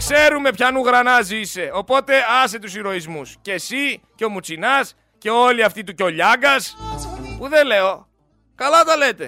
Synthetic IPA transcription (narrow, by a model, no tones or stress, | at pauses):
kse̞ɾume̞pçɐnuɣɾɐnɐzise̞o̞po̞t̪e̞ɐset̪usiɾo̞izmusce̞siceo̞mut͡sinɐs | ce̞o̞liɐft̪it̪uco̞ʎɐɡɐs | puðe̞le̞o̞ | kɐlɐt̪ɐle̞t̪e̞